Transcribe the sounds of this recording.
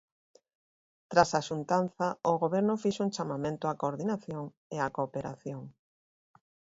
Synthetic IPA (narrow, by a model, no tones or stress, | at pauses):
t̪ɾasaʃunt̪anθɐʊɣoβɛɾnʊfiʃuŋt͡ʃamamẽnt̪ʊakoɾðinaθjoŋ | eakopeɾa̰θjoŋ